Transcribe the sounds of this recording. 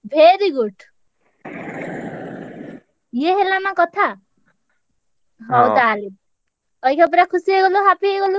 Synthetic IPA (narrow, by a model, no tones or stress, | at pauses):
bʱeɾiɡuʈʰ | jeɦelamãkɔt̪ʰa | ɦɔwt̪aːli | ʌjkʰɔp̬ɾakʰusieɡɔluɦapʰieɡolu